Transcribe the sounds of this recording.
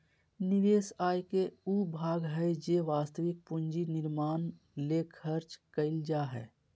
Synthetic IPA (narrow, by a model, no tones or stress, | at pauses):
nɪʋeːsaːjkeubʱaːɡɦɛjd͡ʒeʋaːst̪əʋɪk̚pund͡ʒinɪɾmaːn | lekʰəɾt͡ʃkəɪld͡ʒaːɦɛ̰ː